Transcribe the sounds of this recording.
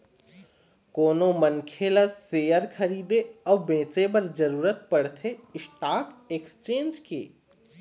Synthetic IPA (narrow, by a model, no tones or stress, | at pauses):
koːnomənkʰelaseːjəɾkʰɐɾiːd̪eɔːbẽːt͡ʃebɐɾd͡ʒɐɾuːɾət̪̚pɐɽt̪ʰeɪsʈaːkeːkst͡ʃẽːnd͡ʒkḛː